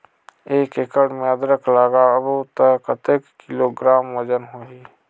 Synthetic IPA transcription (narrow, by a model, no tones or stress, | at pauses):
eːkekəɽmẽəd̪ɾəklaːɡaəbot̪əkət̪ekkːiloːɡɾaːmwəd͡ʒənɦoːɦiː